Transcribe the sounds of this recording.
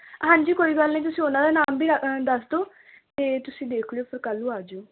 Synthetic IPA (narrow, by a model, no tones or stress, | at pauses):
ɦãːɲd͡ʒiːkoːiːbəlnĩːt̪ʊsĩːʊnãːd̪aːnaːmbʱiːd̪əsd̪oː | t̪eːt̪ʊsĩːd̪eːkʰleoːpʰɪɾkəlːuːaːd͡ʒoː